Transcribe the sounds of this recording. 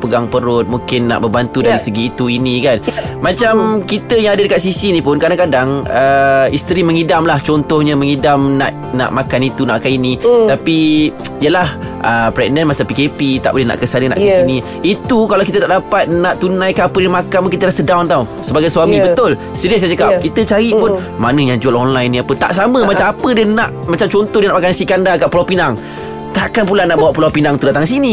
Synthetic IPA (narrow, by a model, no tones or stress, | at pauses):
pəɡaŋpəɾʊt̪̚muŋkɪnːa̰ʔbəbant̪udaɾisəɡiːt̪uinĩkanmãt͡ʃamkit̪əjaŋadədəkat̪̚sisiːnĩpʊnkadaŋkadaŋəist̪ɾimə̃ŋidamlaht͡ʃɔnt̪ɔhɲamə̃ŋidamna̰ʔ | na̰ʔmakanit̪unaʔkainĩt̪apiijəlahʔəpɾɛɡ̚nənmasapikepit̪a̰ʔbolɛhna̰ʔkəsanəna̰ʔkasinĩ | it̪ukalawkit̪ənaʔdapat̪̚nãʔt̪unãjkaapədəmakanmukit̪əlasədawnt̪awsəbaɡajsuamĩbət̪ʊl | səɾiəsajat͡ʃəkap̚kit̪ət͡ʃaɾiʔpʊn | manə̃ɲãd͡ʒualɔnlajnːĩapət̪a̰ʔsamə̃mat͡ʃamapədənaʔmat͡ʃamt͡ʃɔnt̪ɔhdiənaʔmakansikandaɡaʔpulawpinaŋ | t̪aʔkanpulanaʔbawaʔpulawpinaŋt̪udat̪aŋkəs̬ini